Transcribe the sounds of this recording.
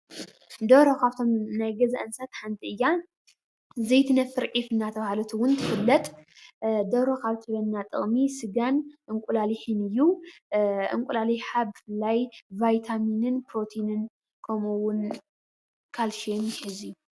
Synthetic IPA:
d̪oɾokʰaβt̪ʰo̞mnajɡɐzaʔɨnsat̪ħant̪ʼʰiɨjːa | zejt̪ʰɨnɐfɨɾʕifɨnːat̪ʰɐβhalut̪ʰuwʊnt̪ʰɨfɨlːɐt̪ʼ | d̪oɾokʰaβt̪ʰɨlɐnːat̪ʼɨ̰χʼmisɨɡanʔɨŋkʷʼulaliħɨnɨjːu | ʔɨ̰ŋkʷʼulaliħabɨfɨlːajvajt̪ʰaminɨnpɾo̞t̪ʰinɨn | kʰɐmuwʊn | kʰalʃinjɪħɨzijːu

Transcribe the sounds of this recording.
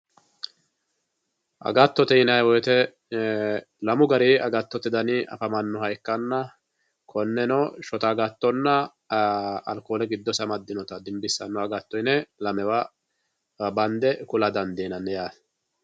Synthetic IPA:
ʔɐ̰ɡɐt̪ːɔt̪ɛɪnɐjwɔjt̪ɛ | lɐmʊɡɐɾiːɐɡɐt̪ːɔt̪ɪd̪ɐnɪʔɐ̰fɐmɐnːʊhɐjkːɐnːɐ | kɔnːɛnɔʃɔt̪aɡɐt̪ːɔnːɐ | ɐlkoːlɛɡɪd̪ːɔsɐmɐd̪ːɪnɔt̪ɐd̪ɪmbɪsːɐnːʊɐɡɐt̪ːɔjnɛlɐmɛwa | bɐnd̪ɛkʊlɐd̪ɐnd̪eːnɐnːɛjaːs

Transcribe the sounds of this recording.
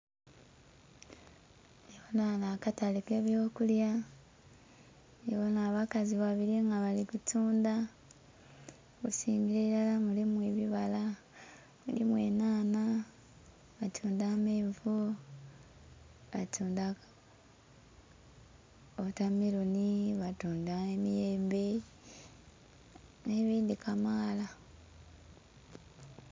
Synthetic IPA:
eβonanakatalikeːβjo̞ːkulja | eβonaːβakaziβaβiɾiŋɡaβalikutuːnda | kusiːŋɡiɾeilalamulimweβiβala | mṵlimwḛːnaːna | βatʰuːndameːɱvu | βatʰuːnda | otamiɾuniβatuːndaemijeːmbe | neβiːndikamaːla

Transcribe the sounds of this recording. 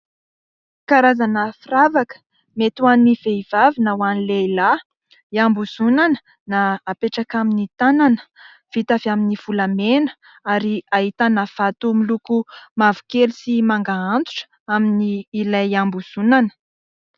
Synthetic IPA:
kaɾazanəfiravakə̥ | met̪uaniv̥eiv̥avinəwanileila | iambuz̥unanə̥ | naːpeʈ͡ʂakaminit̪ananə̥ | v̥it̪avaminiv̥ulamenə̥ | aɾiait̪anav̥at̪umilukumavu̥kelisimaŋɡaant̪u̥ʈ͡ʂə̥ | aminiːlajambuz̥unanə̥

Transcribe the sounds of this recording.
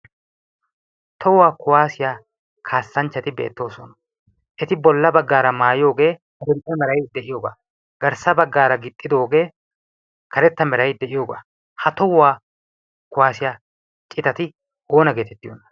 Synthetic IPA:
t̪ʰɔwːaːkʊwaːsɪjaː | kʰaːsːɐnt͡ʃːɐt̪ɪbḛːt̪ːo̞ːsɔnɐ̥ | ʔɛt̪ɪbɔlːɐbɐɡːaːɾɐmaːjo̞ːɡe̞ːkɐɾɛɾt̪ʼːɐmɛɾɐjd̪ɛʔɪjoːba̰ː | ɡɐɾsɐbɐɡːaːɾɐɡɪt̪ʼːɪd̪o̞ːɡe̞ː | kɐɾɛt̪ːɐmɛɾɐjd̪ɛʔɪjo̞ːba̰ː | hɐt̪ɔwaː | kʊwaːsɪjaː | t͡ʃʼːɪt̪ɐt̪ɪ | oːnɐɡe̞ːt̪ɛt̪ːɪjonːɐ̥

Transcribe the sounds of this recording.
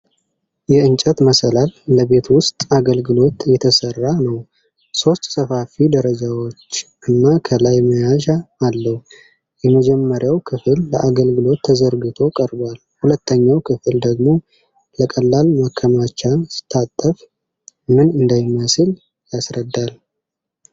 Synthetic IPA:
jɛɨnt͡ʃʼət̪məsəlalːəbe̞t̪wʊst̪ʼaɡəlɡɨlo̞t̪jɛt̪ʰəsərːanəw | so̞st̪ʼsəfafid̪əɾəd͡ʒawo̞t͡ʃːʔɨnːakʰəlajməjaʃaːlːəh | jɛməd͡ʒɛmːəɾjawkʰɨfɨlːəʔaɡəlɡɨlo̞t̪ʰːəzəɾɡɨt̪ʰo̞kʼəɾbal | hulət̪ːəɲːawkʰɨfɨld̪əɡmo̞ | ləkʼəlːalmakʰːəmat͡ʃːasɨ̥t̪ʰːat̪ʼːəf | mɨnɨnd̪ajɪmːəsɨl | jasɾəd̪ːal

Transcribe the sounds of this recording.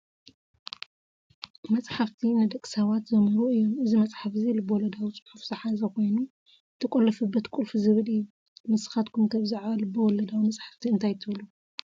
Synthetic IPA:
mɐsʼħaft̪ʰinɨd̪ɐkʼsawat̪zɐmɨɾuɨjːomʔɨzimɐt͡sʼħafzilɨbɐwɔlɐd̪awit͡sʼɨħufzɐħazɐkʰo̞jnu | t̪ʰɐkʷʼɔlːɐfɨbːɐt̪kʼulfuzɨβɨlɨjːu | mɨsɨ̥xat̪kʰumt̪ʰɐβzaʕβɐlɨbɐwɔlɐd̪awimɐsʼħḁft̪ʰiɨnt̪ʰajt̪ʰɨβlu

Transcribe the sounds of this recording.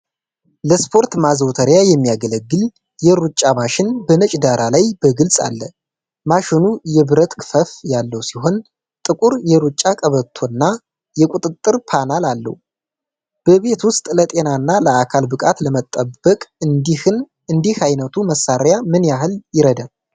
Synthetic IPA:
ləspʰo̞ɾt̪mazəwt̪ʰəɾjajɛmːijaɡələɡːɨl | jɛɾut͡ʃʼːamaʃɪnbəmət͡ʃʼd̪aɾʔalajbəɡɨlsʼa̰lːə | maʃɪnujɛbɨɾət̪kʰɨfəfjalːəwsiɦo̞n | t̪ʼɨkʼuɾjɛɾut͡ʃʼːakʼəβət̪ʰːo̞nːa | jɛkʼut̪ʼɨt̪ʼːɨɾpʰanalalːə̰hu | b̥əβe̞t̪wʊst̪ʼlət̪ʼe̞nanːaləakʰalbɨkʼat̪ləmət̪ʼːəbːəkʼn | ɨnd̪ihajnət̪ʰuməsːaɾjamɨnjaɦɨljɪɾəd̪a

